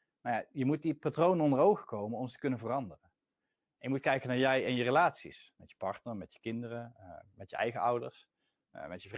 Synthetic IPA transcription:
najajəmut̚dipatrownənɔndərowχəkowmənɔmzətəkɵnənvərɑndərən | ʔɛnjəmutkɛjkənaːɹjɛjɪnjərelaːtsḭsmɛtjəpɑɹtnəɹmɛtjə̥kɪndərəmɛtjəɛ̰jχəʌwdəɹs | mɛtjəv

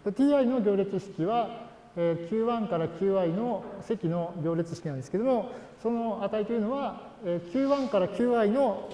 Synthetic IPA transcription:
d̪̥et̪ʲiːaino̞ɡʲo̞ːɾʲet͡sɨɕi̥kʲiβa | eːkʲʰɨːβãŋkaɾakʲɨːaino̞se̞kʲino̞ɡʲo̞ːɾʲet͡sɨɕi̥kʲinãnd̪esɨ̥ked̪omo | so̞no̞at̪ait̪o̞jɯ̟no̞βa | ekʲɨːβãŋkaɾakʲɨːaino̞

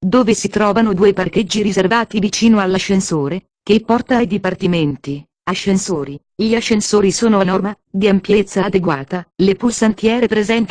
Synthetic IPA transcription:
d̪oːvesit̪ɾɔːvanod̪uːeparked͡ʒːiɾizervaːt̪ivit͡ʃiːnoalːaʃːensoːɾe | k̟epːɔrt̪aajd̪ipart̪iment̪i | aʃːensoːɾi | ʎiaʃːensoːɾisoːnoanɔrmad̪iampjet̪sːaːd̪eɡwaːt̪alepulsant̪jɛːɾepɾezɛnt̪

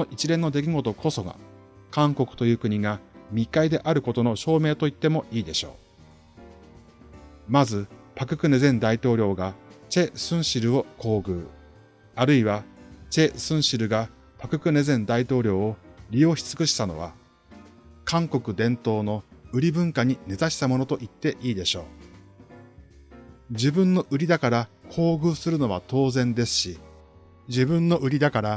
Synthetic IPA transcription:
onoʔit͡ɕiɾẽ̞nːo̞d̪e̞kʲiɡo̞t̪o̞kʰo̞so̞ɡa̰ | kãŋko̞kɯ̟̥t̪o̞jɯ̟ːkɯ̟ɲ̟iɡamʲikaid̪e̞ʔaɾɯ̟ko̞t̪o̞no̞ɕo̞ːme̞ːt̪o̞it̪ːe̞mo̞ʔiːd̪e̞ɕo̞̰ː | mazɨpakɯ̟kɯ̟ne̞zẽ̞nd̪ait̪o̞ːɾʲo̞ːɡat͡ɕe̞sɨ̃ɰ̃ɕiɾɯ̟o̞kʰo̞ːɡɯ̟̰ː | aɾɯ̟iβat͡ɕe̞sɨ̃ɰ̃ɕiɾɯ̟ɡa | pakɯ̟kɯ̟ne̞zẽ̞nd̪ait̪o̞ːɾʲo̞ːɾʲijo̞ːçi̥t͡sɨ̥kɯ̟ɕi̥t̪ano̞̰β̞a̰ | kãŋko̞kɯ̟d̪ẽ̞nt̪o̞ːno̞ɯ̟ɾʲibɯ̟̃ŋkaɲ̟ine̞zaɕi̥t̪amo̞no̞t̪o̞ʔit̪ːe̞ʔiːd̪e̞ɕo̞ː | d͡ʑibɯ̟̃nːo̞ʔɯ̟ɾʲid̪akaɾakʰo̞ːɡɯ̟ːsɨɾɯ̟no̞β̞at̪o̞ːzẽ̞nd̪e̞sɨ̥ɕi | d͡ʑibɯ̟̃nːo̞ʔɯ̟ɾʲid̪akaɾa

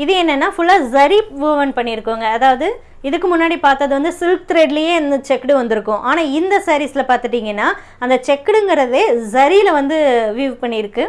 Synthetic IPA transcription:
ɪðeɛnːɛnːaːfʊɭːaːzɐɾiʋuʋɐnpɐɳːɪɾɯkːoːŋɡɐːðaːʋɐðɯ | ɪðɯkːɯmʊnːaːɽipaːɾt̪ɐðɯʋɐnd̪ɯsɪlk̚t̪ɾeɖlɐjeːɐnd̪ɐt͡ʃɛkːɽɯʋɐnd̪ɯɾɯkːʊ̃ʔaːnaːɪnd̪ɐsɐːɾisɪlɐpaːɾt̪ɯʈːiːŋɡɐnːaː | ɐnd̪ɐt͡ʃɛkːɐɽɯŋɡɪɾɐðeːzɐɾiɪlɐʋɐnd̪ɯʋiːʋpɐɳːɪɪɾɯkːɯ

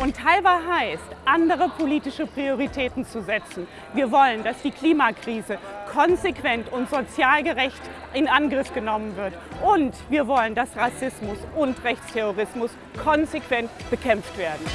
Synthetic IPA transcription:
ʔʊntʰhaɪvaɦaɪstʔandəʁ̞əpʰoliːtɪʃəpʁ̥ioʁitʰɛːtn̩t͡suzɛt͡sn̩ | viːɐvɔləndasd̥iːkʰl̥iːmakʁ̥iːzəkʰɔnzekv̥ɛntʊntz̥ot͡sjaːlɡəʁɛçt | ɪnanɡʁɪfɡ̥ənɔmənvɪɐtʔʊntv̥iːɐvɔləndasʁasɪsmʊsʊntʁɛçt͡stʰɛʁoʁ̞ɪsmʊs | kʰɔnzekv̥ɛntb̥əkʰɛmftv̥eːɐdn̩

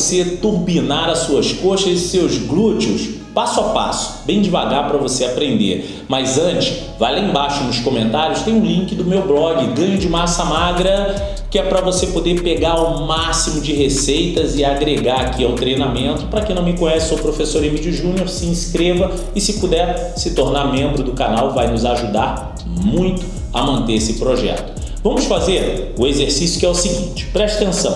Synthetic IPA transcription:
set̪uɾbinaɾɐsuɐskoʃɐzɪsewzɡlut͡ʃʊs | pasʊapa̰sʊ̥bẽj̃d͡ʒɪva̰ɡaɾpɾɐvoseapɾẽnd̪ḛɾ | mɐzɐ̃t͡ʃɪ̥ʃ | va̰jlaĩbaʃʊnʊskõmẽnt̪aɾjʊst̪ẽj̃ʊ̃lĩkɪd̪ʊmewblɔɡɪɡɐ̃ɲʊd͡ʒɪmasɐmaɡɾɐ | kɪɛpɾɐvosepod̪epeɡaɾʊmasimʊd͡ʒɪɦesejt̪ɐzɪaɡɾeɡaɾakʰiawt̪ɾejnamẽnt̪ʊ̥pɾɐkẽnɐ̃w̃mɪkõɲɛsʊpɾofesoɾemid͡ʒʊʒũnioɾsɪĩskɾevɐ | ɪsɪpud̪ɛɾ | sɪt̪oɾnaɾmẽmbɾʊd̪ʊkanawvajnʊzaʒud̪aɾ | mũj̃t̪ʊ̥ | ɐ̰mɐ̃nt̪eesɪpɾoʒɛ̰t̪ʊ̥ | vɐ̃mʊsfazeɾʊezeɾsisjʊ̥kɪɛʊsiɡĩt͡ʃɪ̥pɾɛʃɐt̪ẽsɐ̃w̃

